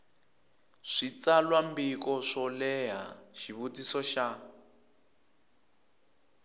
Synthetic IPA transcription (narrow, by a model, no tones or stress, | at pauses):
ʂit͡salwambikɔʂɔlɛɦa̰ʃiβutisɔʃa